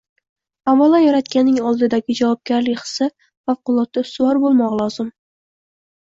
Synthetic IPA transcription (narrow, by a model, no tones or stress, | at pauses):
avalˠajaɾat̪kʲanːɪŋɒlˠd̪ɪd̪aɡʲɪd͡ʒavɒp̚ɡʲaɾlɪkʲχɨ̥sɪ | fafqʊlˠɒt̪ːasʊwɑɾbolˠmɒʁlˠɒzɪm